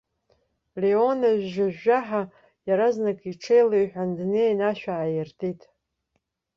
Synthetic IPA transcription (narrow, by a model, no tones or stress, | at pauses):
leonaʒʷᶣʒaʒaħa | jaɾaznakʼiʈ͡ʂʰejlajħʷᶣandnejnaʃᶣaːjɪrtʰitʼ